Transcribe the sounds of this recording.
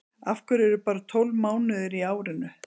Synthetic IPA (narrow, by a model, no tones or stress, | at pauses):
afkʏɾɛɾʏpaːɾat̪ʰowlmaːwnɪðɪɾiaːwɾɪnʏ